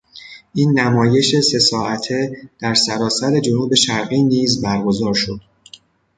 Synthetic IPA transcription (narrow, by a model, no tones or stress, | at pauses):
ʔiːnːæmɒːje̞ʃe̞se̞sɒːæt̪ʰe̞d̪̥æɾsæɾɒːsæɾe̞d͡ʒo̞nuːbe̞ʃæɾɣiːniːzbæɾɡo̞zɒːɾʃod̪̥